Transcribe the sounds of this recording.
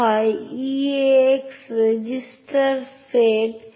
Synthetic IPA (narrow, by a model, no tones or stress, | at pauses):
ajieeksɾed͡ʒɪsʈəɾseːʈ